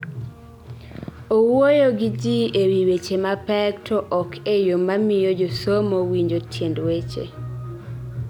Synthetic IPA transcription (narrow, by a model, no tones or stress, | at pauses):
owwojoɡid͡ʒiewiwet͡ʃemapɛk̚tʰɔʔɔkʰejomamɪjod͡ʒosomowiɲd͡ʒotʰjendwet͡ʃḛ